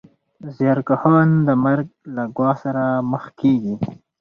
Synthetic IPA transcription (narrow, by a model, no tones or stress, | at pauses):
zjɑɾkahɑnd̪əmaɾɡ̚laɡwɑhsaɾaməxkeɡi